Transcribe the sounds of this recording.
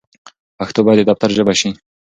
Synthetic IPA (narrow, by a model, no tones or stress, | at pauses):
axt̪obad̪ed̪aft̪aɾʒəbaʃi